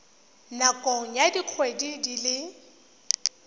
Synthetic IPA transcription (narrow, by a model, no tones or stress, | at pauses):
nakʼɔŋ̩jadiq͡χʰwedidilɪ